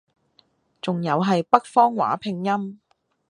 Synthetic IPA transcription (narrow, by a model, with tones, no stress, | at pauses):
t͡sʊ˨ŋjɐ˨˧wɦɐ˨jpɐ˥k̚fɔː˥ŋwa̰ː˨˥pʰɪ˨˧ŋjɐ˥m